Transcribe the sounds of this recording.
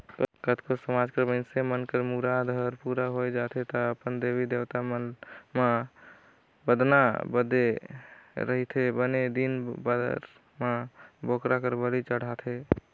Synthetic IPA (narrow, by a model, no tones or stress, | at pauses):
kət̪kosəmad͡ʒkəɾbənsemənkəɾmuɾad̪ʱəɾpuɾaɦod͡ʒat̪ʰet̪ɔəpənd̪ebid̪ewt̪amənma | bəd̪nabəd̪e | ɾəɦit̪ʰebəned̪inbəɾ | mãbokɾakəɾbəɾit͡ʃəɽ̤at̪ʰe